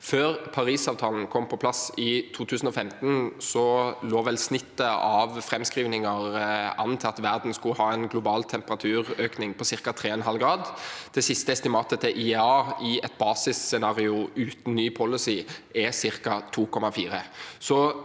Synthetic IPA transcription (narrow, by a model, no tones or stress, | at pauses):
føːʁpʰɑɾiːsɑːʋt̪ʰɑːln̩kʰɔmpʰɔpʰlɑsɪt̪ʰuːt̪ʰʉːsn̩ɔfɛmt̪n̩sɔloːʋɛlsnɪt̪ːəɑʋfɾɛmskʁiːʋnɪŋəʁɑ̰nt̪ʰɛɑt̪ʋæʁd̪n̩skʉhɑːɛnɡlʊbɑːlt̪ʰɛmpəʁɑt̪ʰʉːʁøːknɪŋpʰɔsɪʁkɑt̪ʰɾeːɛnɦɑlɡɾɑːd̪d̪̥ɛsɪst̪əɛst̪ɪmɑːt̪ət̪ʰɪʔɪɑːɪɛt̪̚bɑːsɪssɛnɑːʁɪʊʉːt̪n̩nyːpʰɔləsiːɛsɪʁkɑt̪ʰuːkʰɔmɑfiːɾəsɔ